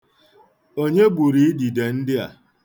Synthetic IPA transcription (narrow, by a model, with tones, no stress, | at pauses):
o˦ɲe˦bu˨ɾi˨˦i˦di˨de˨n̩˦dɪ˦a̰˨